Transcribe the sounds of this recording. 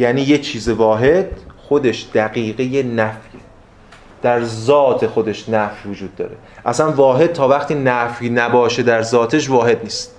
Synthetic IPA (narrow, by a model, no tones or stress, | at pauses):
jæːniːjet͡ʃʰiːze̞vɒːɦe̞d̪̥xo̞d̪e̞ʃd̪̥æɣiːɣejenæfje | d̪̥æɾzɒːt̪ʰe̞xo̞d̪e̞ʃnæfjvod͡ʒuːd̪̚ːɒ̰ːɾe̞ | ʔæsænvɒːɦe̞d̪̥̚t̪ʰɒːvæχt̪ʰiːnæfjnæbɒːʃe̞d̪æɾzɒːt̪ʰe̞ʃ̬vɒːɦe̞d̪̚niːst̪